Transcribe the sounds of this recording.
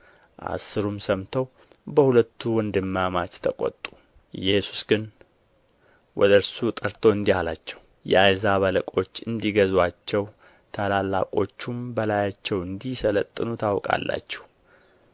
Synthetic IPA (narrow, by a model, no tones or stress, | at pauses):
ʔa̰sːɨɾumsəmt̪ʰəw | bəhulət̪ʰːuwɔnd̪ɨmːamat͡ʃt̪ʰəkʼo̰t̪ʼu̥ | ɨjɛsu̥sɡɨn | wɔ̰d̪əɾsut̪ʼəɾt̪ʰoɨnd̪ihalat͡ʃːɛw | jɛ̰ajzaβələkʼo̞t͡ʃːɨnd̪iɡəzwat͡ʃːɛw | t̪ʰalalːa̰kʼo̞t͡ʃːumbəlajat͡ʃːɛwɨnd̪isələt̪ʼːɨnut̪ʰawkʼa̰lːa̰t͡ʃːɛ̥w